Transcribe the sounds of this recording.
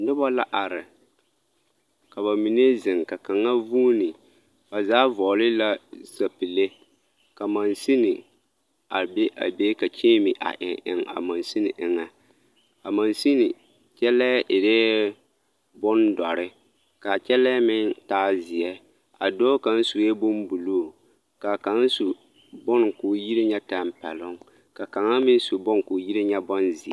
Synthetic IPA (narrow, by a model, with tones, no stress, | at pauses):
nʊ˦bɔ˦la˦ʔa˨ɾɪ˨ | ka˨βa˨mi˨ne˦zɪ˨ŋka˨ka˨ŋa˦vuː˦nɪ˨ | ba˨zaː˦vɔː˨lɪ˦la˦sa˨pi˨le˦ | ka˨ma˨nsi˦nɪ˨ | a˨be˦ʔa̰˨be˦ka˨t͡ʃeː˦mi˨ʔa̰˨ʔɪ̰˨ŋʔɪ̰˨ŋa̰˨ma˨nsi˦nɪ˨ʔɪ˨ŋa˨ | ka˨ma˨nsi˦nɪ˨ | t͡ʃɛ˦lɛ˦ʔɪ˨ɾeː˦ | bʊ˦ndɔ˨ɾɪ˦ | ka˨t͡ʃɛ˦lɛ˦mɪ˦ntaː˦zɪ˨jɛ˦ | a˨do˦ka˨n˦su˨jɛ˦bʊ˦m˦bu˨loː˦˨ | ka˨ka˨˦n˦su˨ | bʊ˦n˨kʊː˨ji˦ɾi˦ɲɛ˦ta˨mpɛ˨lʊ˦ŋ | ka˨ka˨ŋa˦mɪ˦su˨bʊ˦ŋkʊ˨ji˦ɾɪ˦ɲɛ˦bɔ˦nzɪ˨ɛ˦